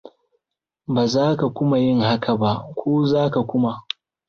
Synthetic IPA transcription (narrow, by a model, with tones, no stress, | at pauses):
baː˨zaː˦ka˨kʷʊ˦ma˨jɪ˦ŋha˦kʰa˨ba˦ʔkʷʰoː˦zaː˦ka˨kʷʊ˦ma˨ʔ